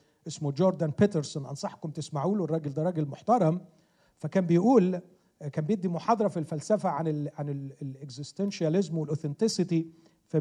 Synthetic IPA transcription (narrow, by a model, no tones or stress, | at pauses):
ʔesmod͡ʒoːɾd̪ænpet̪eɾsonʔɑ̰nsˤɑħkomt̪ɪsmaʕuːlowrˤːɑːɡɪld̪ɑɾˤːɑːɡelmoħt̪ɑɾˤɑm | fækæːmbejʔuːl | kæːmbejebd̪ːimoħɑːd̪ˤɑɾˤɑfilfælsæfæʕanelʕanelʔeɡzɪst̪enʃælɪzmwelʔoθent̪ɪsɪt̪i | fi